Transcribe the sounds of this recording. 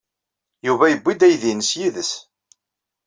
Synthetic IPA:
juvæjəbʷːid̪æjðinəsjiðəs

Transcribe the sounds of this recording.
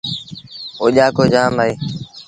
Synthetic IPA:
oːʄaːkoːd͡ʒaːmaːeː

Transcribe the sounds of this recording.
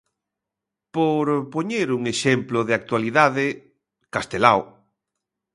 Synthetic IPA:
poɾpoɲeɾuŋeʃemplʊðɪak̚t̪waliðaðɪ | kast̪elaw

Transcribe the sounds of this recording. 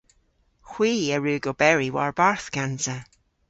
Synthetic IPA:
xw̥iːəɹɪlɡɔbɛɹiwaɹbaɹθɡ̥antə

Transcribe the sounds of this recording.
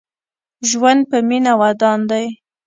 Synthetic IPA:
ʒwand̪̚pəminawad̪ɑnd̪aj

